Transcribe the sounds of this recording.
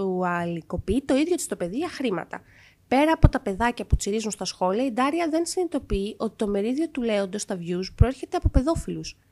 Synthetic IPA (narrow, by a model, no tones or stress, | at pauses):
uɐliko̞piit̪o̞iðʝo̞t̪i̥st̪o̞pe̞ðiʝɐxɾimɐ̰t̪ɐ̰ | pe̞ɾɐːpo̞t̪ɐpe̞ðɐcɐput͡siɾizunst̪ɐsxo̞liɐid̪ɐɾiɐðe̞nsinit̪o̞piːʔo̞t̪i̥t̪o̞me̞ɾiðio̞t̪ule̞o̞nd̪ɐst̪ɐvʝuspɾoe̞ɾçe̞t̪eɐpo̞pe̞ðo̞filus